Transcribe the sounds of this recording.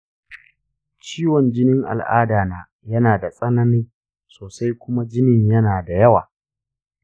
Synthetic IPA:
t͡ʃiː˦wɔ˨nd͡ʒɪ˦nɪ˦ŋʔa̰˨lʔa̰ː˦daː˨naː˦ | jɐ˦naː˨da˨sʼɐ˦nɐ˦nɪ˦ŋ | soː˨sa˦jkʷʊ˦ma˦d͡ʒɪ˦nɪ˦ɲjɐ˦naː˨da˨jɐ˦wa̰ː˨

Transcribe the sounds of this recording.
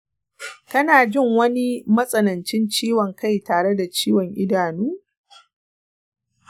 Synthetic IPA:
kɐ˦naː˨d͡ʒɪ˦˨ŋwɐ˦ni˦mɐ˦sʼɐ˦nɐ˨nt͡ʃɪ˦nt͡ʃiː˦wɔ˨ŋka˦˨jtaː˨ɽe˦da˨t͡ʃiː˦wɔ˨ŋʔɪ˦daː˨nuː˦

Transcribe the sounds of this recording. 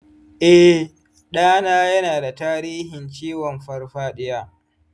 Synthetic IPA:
ʔɛ˦ | ɗaː˦naː˦jɐ˦naː˨da˨taː˦ɾiː˦hɪ˨nt͡ʃiː˦wɔ˨mɸɐ˦rɸaː˦ɗɪ˦jaː˦

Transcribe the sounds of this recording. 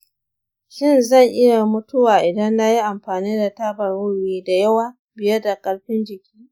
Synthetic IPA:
ʃɪ˦˨nzɐ˦˨ŋʔɪ˦ja˨mʊ˦tʊ˦waː˨ʔɪ˨dɐ˦nːa˦ji˦ʔa˨mɸaː˨niː˦da˨taː˦bɐ˨rwʊ˦ɽiː˦da˨jɐ˦waː˦˨ | bɪ˨jɛ˦da˨kʼɐ˦ɽɸɪ˦nd͡ʒɪ˨kʲi̥ː˦ʔ

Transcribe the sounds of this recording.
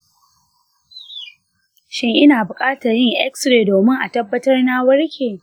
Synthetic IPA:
ʃɪ˦ŋʔɪ˦naː˨bʊ˨kʼaː˦ta˨jɪ˦ŋʔɛ̰˦ksɾeː˨doː˨mɪ˦ŋʔa˨tɐ˦bːɐ˦tɐ˦rna˦wɐ˦rkʲeː˨

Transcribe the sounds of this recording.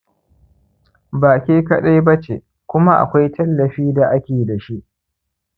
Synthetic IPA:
baː˨kʲiː˦kɐ˦ɗa˦jbɐ˦t͡ʃḛ˨ | kʷʊ˦ma˦ʔa̰˨kʷa˦jtʰɐ˦lːɐ˨ɸiː˦da˨ʔa˦kʲeː˨da˨ʃi˦ʔ

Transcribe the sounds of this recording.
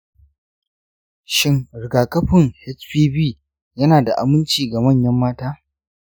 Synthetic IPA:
ʃɪ˦ŋɾɪ˨ɡaː˨kʼɐ˦ɸɪ˨ŋhɛ˦t͡ʃɸiː˦biː˦ | jɐ˦naː˨da˨ʔa˨mɪ˦nt͡ʃiː˨ɡa˨mɐ˦˨ɲjɐ˦mːaː˦taː˦

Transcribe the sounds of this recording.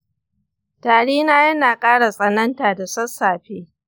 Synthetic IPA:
taː˨ɽeː˦naː˦jɐ˦naː˨kʼaː˦ɽa˨sʼɐ˦˨nɐ˦ntaː˨da˨sɐ˦sːaː˨ɸeː˦

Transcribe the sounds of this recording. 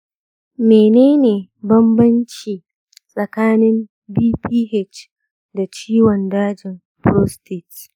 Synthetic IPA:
meː˨neː˦neː˨bɐ˦mbɐ˦nt͡ʃiː˨ | sʼɐ˨kaː˦nɪ˦m | biː˦piː˦he˦˨t͡ʃ | da˨t͡ʃiː˦wɔ˨ndaː˦d͡ʒɪ˨m | pɾoː˦ste˨t

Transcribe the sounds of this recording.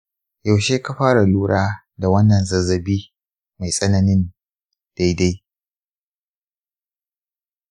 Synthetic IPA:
ja˨wʃeː˦ka˨ɸaː˦ɽa˨luː˦ɽaː˦ | da˨wɐ˦nːɐ˨nzɐ˨zɐ˨biː˦ | ma˨jsʼɐ˦nɐ˨nɪ˦n | d̥a˦jda˦j

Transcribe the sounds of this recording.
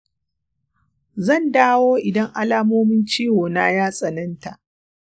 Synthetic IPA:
zɐ˦˨ndaː˦woː˦ʔɪ˨dɐ˦ŋʔa˦laː˦moː˦mɪ˦nt͡ʃiː˦woː˨na˦jaː˦sʼɐ˨nɐ˦nta˨ʔ

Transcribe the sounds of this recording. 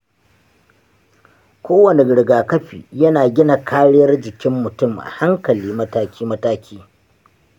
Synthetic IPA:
kʷoː˦wɐ˨ne˨ɽɪ˨ɡaː˨kɐ˦ɸḭː˨jɐ˦naː˨ɡʲɪ˦na˨kʰaː˦ɽɪ˦jɐ˦rd͡ʒɪ˨kʲɪ˦mːʊ˨tʊ˦˨mʔa̰˨ha˦ŋkɐ˨liː˦mɐ˦taː˦kʲiː˦mɐ˦taː˦kʲʰiː˦

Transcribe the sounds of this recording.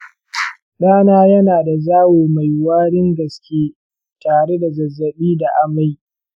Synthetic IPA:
ɗaː˦naː˦jɐ˦naː˨da˨zaː˦weː˨ma˨jwaː˦ɽɪ˦ŋɡɐ˨skʲeː˦ | taː˨ɽe˦da˨zɐ˨zːɐ˨ɓiː˦da˨ʔa˦ma˦˨j

